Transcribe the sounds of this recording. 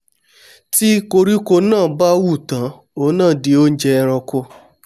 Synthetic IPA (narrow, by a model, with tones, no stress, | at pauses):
ti˦ko˧ɾi˦ko˧nãː˦˨˦ba˦wu˦˨tã˨˦ | o˧˦nãː˦˨di˧o˦n̩˦d͡ʒɛ˧ɾɔ˧ko˧˦